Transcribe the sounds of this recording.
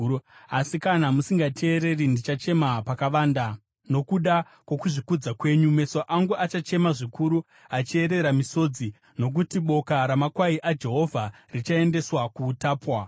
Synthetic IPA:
asikanamusiŋɡatʰe̞ːɾe̞rindit͡ʃat͡ʃe̞mapakaʋaːnda | no̞kuɗa | kwo̞kuʐikud͡zakwe̞ːɲume̞soʔaŋɡuat͡ʃat͡ʃe̞maʐikuɾu | at͡ʃie̞ɾe̞ɾamiso̞ːd͡zi | no̞k̬utiɓo̞kaɾamakwaiʔad͡ʒe̞ɦo̞vʱarit͡ʃae̞nde̞swakuːtaːpwa

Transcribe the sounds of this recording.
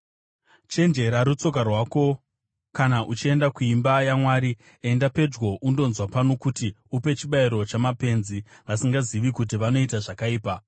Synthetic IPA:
t͡ʃe̞nd͡ʒe̞ɾaɾut͡so̞k̬arwaːko̞ | kanaʔut͡ʃie̞ndakuimbajamwaːɾi | endape̞d͡ʒɡoʔundo̞nzwapano̞kutiupe̞t͡ʃiɓaiɾo̞t͡ʃamape̞nziʋasiŋɡaziʋikutiʋano̞itaʐakaiːpa

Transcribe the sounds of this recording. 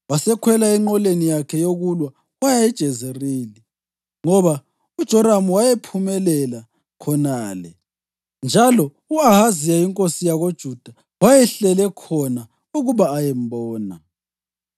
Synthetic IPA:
wasɛkʰwɛlaiŋ͡ǃɔlenijakʰɛjoɣulwa | wajaɛd̥ʒ̥ʱɛzeriːli | ŋɔβa | ud̥ʒ̥ʱɔɾamuwajɛpʰumɛlɛla | kʰɔnaːlɛ | nd͡ʒʱalɔ | uahazijaiŋkʼosijaɣod̥ʒ̥ʱud̥ʱa | wajɛɬɛlɛkʰɔna | uɣuβaːjɛmbɔːna

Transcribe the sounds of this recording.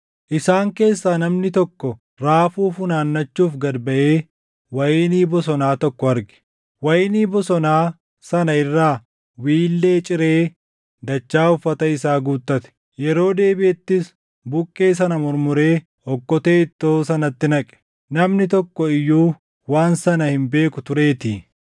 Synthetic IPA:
ʔɪsaːŋke̞ːsːaːnɐmnɪt̪ɔkːɔ | ɾaːfuːfʊnaːnːɐt͡ʃːuːfɡɐd̪bɐʔeː | wɐjniːbɔsɔnaːt̪ɔkːɔɐɾɡɛ̥ | wɐjɪniːbɔsɔnaː | sɐnɐɪrːaː | wiːlːe̞ːt͡ʃʼɪɾe̞ː | d̪ɐt͡ʃːaːʊfːɐt̪ɐɪsaːɡuːt̪ʼːɐt̪ɛ̥ | jɛɾo̞ːd̪eːbɪʔɛt̪ːɪs | bʊkʼːe̞ːs̬ɐnɐmɔɾmʊɾe̞ː | ɔkːɔt̪e̞ːɪt̪ːoːsɐnɐt̪ːɪnɐkʼɛ̥ | nɐmnɪt̪ɔkːɔɪjːuː | waːnsɐnɐhɪmbe̞ːkʊt̪ʊɾe̞ːt̪iː

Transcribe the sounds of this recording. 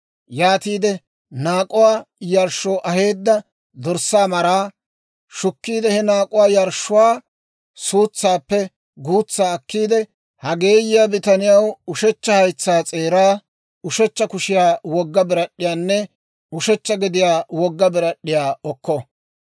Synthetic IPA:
jaːt̪iːd̪ɛ | naːkʼʊwaːjɐɾʃːoːʔɐhe̞ːd̪ːɐ | d̪ɔɾsaːmɐɾaː | ʃʊkːiːd̪ɛhɛnaːkʼʊwaːjɐɾʃːʊwaː | suːt͡sːaːpːɛ | ɡuːt͡sːaːɐkːiːd̪ɛ | hɐɡe̞ːjɪjabɪt̪ɐnɪjɐwʊʃɛt͡ʃːɐhɐjt͡sːaːt͡sʼe̞ːɾaː | ʊʃɛt͡ʃːɐkʊʃɪjaːwɔɡːɐbɪɾɐɗːɪjaːnːɛ | ʊʃɛt͡ʃːɐɡɪd̪ɪjaːwɔɡːɐbɪɾɐɗːɪjaːɔkːɔ

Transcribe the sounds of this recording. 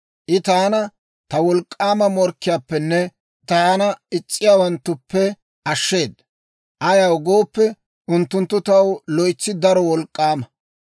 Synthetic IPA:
ʔɪt̪aːnɐ | t̪ɐwɔlkʼːaːmɐmɔɾkːɪjaːpːɛnːɛ | t̪aːnɐɪt͡sʼːɪjaːwɐnt̪ːʊpːɛ | ʔɐʃːe̞ːd̪ | ʔɐjɐwɡo̞ːpːɛ | ʊnt̪ːʊnt̪ːʊt̪ɐwlɔjt͡sːɪd̪ɐɾɔwɔlkʼːaːmɐ

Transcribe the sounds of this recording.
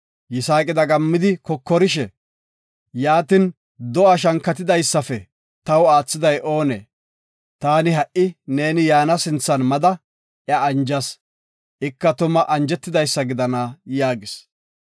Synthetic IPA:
jɪsaːkʼɪd̪ɐɡɐmːɪd̪ɪkɔkːɔɾɪʃɛ | jaːt̪ɪn | d̪ɔʔɐʃ̬ɐŋkːɐt̪ɪd̪ɐjsːɐfɛ | t̪ɐwaːt͡sːɪd̪ɐjʔo̞ːnḛː | t̪aːnɪɦɐʔʔɪne̞ːnɪjaːnɐsɪnt͡sːɐnmɐd̪ɐ | ʔjɐːnd͡ʒɐs | ʔɪkːɐt̪ʊmɐʔɐnd͡ʒɛt̪ːɪd̪ɐjsːɐɡɪd̪ɐnajaːɡɪs

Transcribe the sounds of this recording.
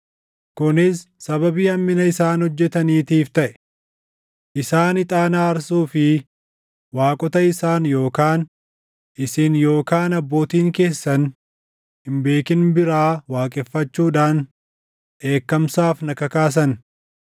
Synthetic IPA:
kʊnɪsːɐβɐbiːɐmːɪnɐɪsaːnhɔd͡ʒːɛt̪ɐniːt̪iːft̪ɐʔɛ̥ | ʔɪsaːnɪt̪ʼaːnaːɐɾsuːfɪ | waːkʼɔt̪ɐɪsaːnjo̞ːkaːn | ʔɪsɪnjo̞ːkaːnɐbːo̞ːt̪iːŋke̞ːsːɐn | hɪmbe̞ːkɪnbɪɾaːwaːkʼɛfːɐt͡ʃːuːᶑaːn | ʔe̞ːkːɐmsaːfnɐkɐkaːs̬ɐn

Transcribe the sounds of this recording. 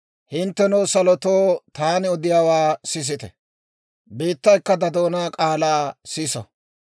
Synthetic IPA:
hɪnt̪ːɛnuːsɐlɔt̪oːt̪aːnɪɔd̪ɪjaːwaːsɪs̬ɪt̪ɛ̰ | biːt̪ːɐjkːɐd̪ɐd̪o̞ːnaːkʼaːlaːsɪsɔ̰

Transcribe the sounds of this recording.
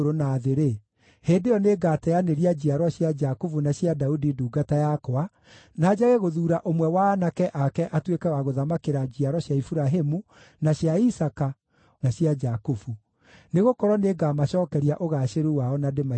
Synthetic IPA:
ɾonaðeɾe | heːndejɔneɡaːtɛaneɾiad͡ʑiaɾwɔɕjad͡ʒakufunaɕjadaudiduːɡatajakɔa | naːd͡ʒaɣeɣoðuːɾaʔomwɛwaːnakɛʔakɛʔatwekɛwaɣoðamakeɾad͡ʑiaɾwɔɕjaifuɾaɦemu | naɕjaisaka | naɕjad͡ʒakufu | neɣokɔɾwɔneɡamaɕɔːkɛɾiaʔoɣaɕeɾuwaɔnadema

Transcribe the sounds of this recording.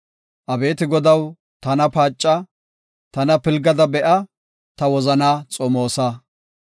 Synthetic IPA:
ʔɐbe̞ːt̪ɪɡɔd̪ɐw | t̪ɐnɐpaːt͡ʃʼːɐ | t̪ɐnɐpɪlɡɐd̪ɐbɛʔɐ | t̪ɐwɔzɐnaːt͡sʼɔmoːsa

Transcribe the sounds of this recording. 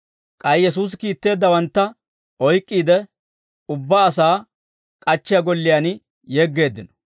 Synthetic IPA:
kʼɐjjɛs̬uːs̬ɪkiːt̪ːe̞ːd̪ːɐwɐnt̪ːɐ | ɔjkʼːiːd̪ɛ | ʊbːaːsaː | kʼɐt͡ʃːɪjaɡɔlːɪjaːn | jɛːɡːe̞ːd̪ːɪnɔ̥

